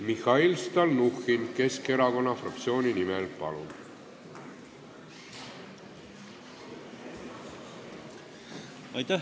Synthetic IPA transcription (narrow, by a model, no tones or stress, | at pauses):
mihɑilst̪ɑlnuxinke̞ske̞ɾɑko̞nːɑfrɑ̰k̚t̪sio̞ːnʲinimɛlpɑ̰lṵb | ɑjt̪æ